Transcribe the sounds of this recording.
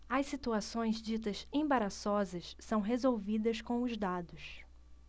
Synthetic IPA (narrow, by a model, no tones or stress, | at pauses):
ɐʃsit̪uasõj̃zd͡ʒit̪ɐsẽbaɾasɔzɐssɐ̃w̃ɦezowvid̪ɐskõw̃ʊzd̪ad̪ʊs